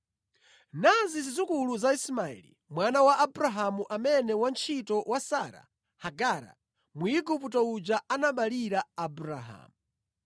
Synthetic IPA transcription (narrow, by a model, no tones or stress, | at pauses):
nazizizukuluzaismaɛ̰lḭ | mwanawaʔabuɾaɦamuʔamɛnɛwant͡ʃʰitɔwʔasaɾa̰ | haɡaɾa̰ | muiɡuputɔud͡ʒaanaɓaliɾaabuɾa̰ɦa̰ːmu